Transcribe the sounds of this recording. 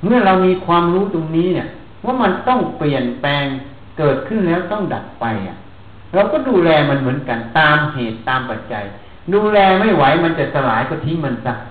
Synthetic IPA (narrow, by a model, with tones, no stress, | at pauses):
mɯ˥˩ɐɾa˧wmiː˧kʰwaː˧mɾuː˦˥t̪o˧ŋniː˦˥ni˧˩ə | waː˥˩ma˧nt̪ɔ˥˩ŋpli˨˩ənpɛː˧ŋ | kɤː˨˩t̪̚kʰɯ˥˩nlɛː˦˥wt̪ɔ˥˩ŋda˨˩p̚ːa˧jʔa̰˨˩ | ɾa˧wkɔː˥˩duː˧lɛː˧ma˧nmɯ˩˦ənka˧nt̪aː˧mheː˨˩t̪ːaː˧mpa˨˩t̪̚t͡ɕa̰˧j | duː˧lɛː˧ma˥˩jwa˨˦jma˧nt͡ɕa˨˩sa˧laː˩˦jkɔ˧˩t̪ʰi˦˥ŋma˧nsa˧˩